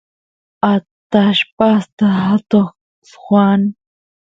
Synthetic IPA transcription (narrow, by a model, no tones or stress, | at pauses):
at̪aʃpast̪aɦat̪oχ | sxwan